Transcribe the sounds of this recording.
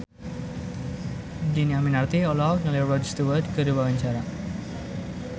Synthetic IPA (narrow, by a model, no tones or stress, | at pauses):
diniaminart̪iɔlaknalɛrɔdst̪uwəd̪kəɾiwawaɲt͡ʃaɾa